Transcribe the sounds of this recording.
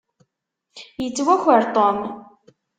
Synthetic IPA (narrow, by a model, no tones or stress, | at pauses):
jət͡sːwæçəɾt̪ˤom